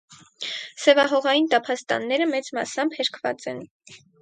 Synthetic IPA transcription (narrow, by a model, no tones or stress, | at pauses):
sɛvɑɦɔʁɑjint̪ɑpʰɑst̪ɑ̰nːɛɾəmɛt͡smɑ̰sɑmbhɛɾkʰvɑ̰t͡sɛn